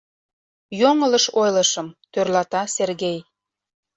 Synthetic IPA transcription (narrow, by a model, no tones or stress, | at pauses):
joŋələʃojləʃə̆mt̪ørlɑt̪ɑserɣej